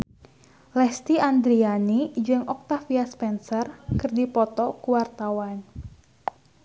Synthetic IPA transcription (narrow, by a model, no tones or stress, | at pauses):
lɛst̪iand̪ɾianid͡ʒəŋɔk̚t̪afiaspɛnsərkɨrdipɔt̪ɔkuwart̪awan